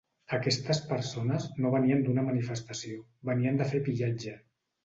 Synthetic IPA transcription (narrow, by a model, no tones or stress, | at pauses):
əkɛst̪əspəɾsonəznoβəniənd̪unəmənifəst̪əsio | βəniənd̪əfepiʎad͡ʒə